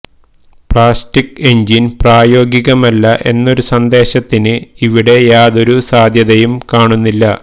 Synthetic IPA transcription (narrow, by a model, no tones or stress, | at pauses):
pɭaːstike̞ɲd͡ʑinpraːjo̞ːɡiɣɐmɐlːɐʔe̞nːo̞ɾusɐnd̪e̞ːɕɐt̪ːinɨiʋiɽe̞jaːðo̞ɾusaːd̪ʱjɐðɐjumkaːɳunːilːɐ